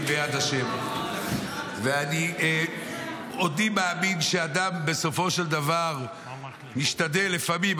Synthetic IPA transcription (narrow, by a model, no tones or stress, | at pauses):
bejad̪aʃem | veani | od̪imeaminʃead̪ambe̞so̞fo̞ʃeld̪avaʁ | miʃtad̪elefamim